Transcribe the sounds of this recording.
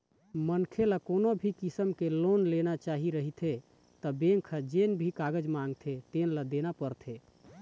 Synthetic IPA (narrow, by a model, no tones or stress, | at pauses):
mənkʰelakonobʱikisəmkelonlenat͡ʃaɦiɾəɦit̪ʰe | t̪əbeŋkʰəd͡ʒenbʱikaɡəd͡ʒmãŋɡt̪ʰet̪enləd̪enapəɾt̪ʰe